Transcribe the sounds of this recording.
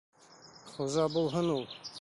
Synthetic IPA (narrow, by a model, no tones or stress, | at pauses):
χuzɑbulˠɦɤnulˠ